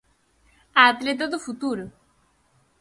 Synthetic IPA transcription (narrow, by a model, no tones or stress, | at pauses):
at̪let̪od̪ofut̪uɾ